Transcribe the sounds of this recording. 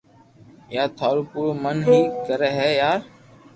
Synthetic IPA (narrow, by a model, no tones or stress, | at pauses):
jaːt̪ʰaːloːpuːɽoːmənɦĩːkəɾɛːɦɛːjaːɾ